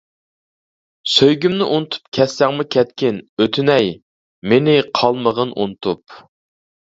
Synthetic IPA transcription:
søjɡʲymnɪʔunɨt̪ʰu̥pkʲʰɛsːɛŋmʊkʲʰɛt̪̚kʲɪnøt̪ʰynɛj | menɪqʰɑlˠməʁənʔṵnɨt̪ʰup̚

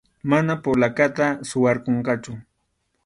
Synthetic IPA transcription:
manapolakat̪asʊwɑɾkoɴqɑt͡ʃʊ

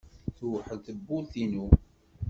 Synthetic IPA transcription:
θwħəðθəbːulθinu

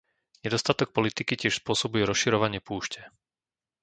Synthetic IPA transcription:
ɲɛd̪ɔst̪at̪ɔk̚pɔlit̪ikicɪɛʃspʊɔsɔbujɛɾɔsʃiɾɔʋaɲɪɛpuːʃcɛ

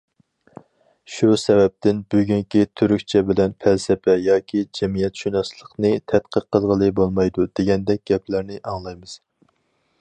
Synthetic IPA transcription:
ʃusɛvɛp̚t̪ʰɪnbyɡʲyŋkʲit̪ʰyɾykʲt͡ʃʰɛbɪlɛnpʰɛlsɛpʰɛjɑːkʲʰid͡ʒɛmijɛt̪ʃynɑslˠəqnɨt̪ʰɛt̪qʰəɾqʰːəlˠʁəlˠɨbolˠmɑjd̪ud̪̥eɡʲɛnd̪ɛk̚ʲɡ̥ʲɛpʰlæɾnɪʔɑŋlˠɑjmɨz̥

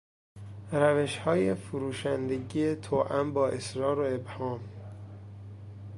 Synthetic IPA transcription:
ɾæveʃhɒːjefuɾuːʃænd̪eɟiːet̪ʰoːʔæmbɒːʔesɾɒːɾoe̞bhɒːm

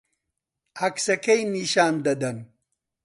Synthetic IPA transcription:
ɐksɐkɐjniɕaːnd̪ɐd̪ɐn

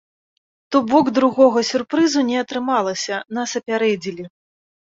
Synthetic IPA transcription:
t̪ɔbɔɡd̪ɾuɣɔɣɐsʲurpɾɨzunʲɛɐt̪ɾɨmalˠɐsʲɐnɐsɐpʲaɾɛd͡zʲilʲi

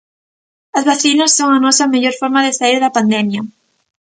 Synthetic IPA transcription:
ɐzβaθinɐsːoŋanɔsɐmeʎoɾfoɾmaðesaiɾðɐpand̪ɛmja

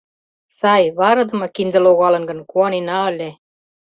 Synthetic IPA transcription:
sɑjβɑɾɤ̆d̪ɤ̆mɤ̆kind̪ə̆loɣɑlɤ̆nɡɤ̆nkuɑninɑə̆lʲe

